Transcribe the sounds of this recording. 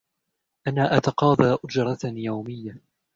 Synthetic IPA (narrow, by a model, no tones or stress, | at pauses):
ʔanaːʔat̪aqɑːðˤɑːʔʊd͡ʒɾˤɑt̪jawmɪjːa